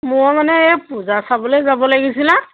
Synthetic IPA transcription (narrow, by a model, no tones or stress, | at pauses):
mʊmanɛɛpuzasabɔlozabɔlaɡisila